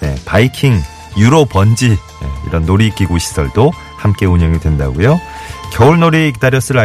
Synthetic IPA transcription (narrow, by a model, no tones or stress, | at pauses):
ne̞̰paikʰiŋ | juɾopʌnd͡ʑi | jḛḭɾʌnːoɾiːk͈iɡoɕʰi̥sʰʌɭdo | hamk͈e̞uɲʌŋidwe̞nda̰ɡojo | kjʌuɭnoɾikidaɾjʌs͈ɯɾɯɭa